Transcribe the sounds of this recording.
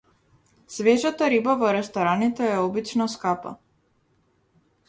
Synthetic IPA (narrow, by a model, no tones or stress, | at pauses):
svɛʒat̪aɾibavɔɾɛst̪ɔɾanit̪ɛːɔbit͡ʃnɔskapa̰